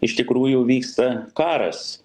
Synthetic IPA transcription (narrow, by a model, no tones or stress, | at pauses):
ɪʃt̪ʲɪkɾuːjʊʋʲiːkst̪ɐkɑːɾɐ̰s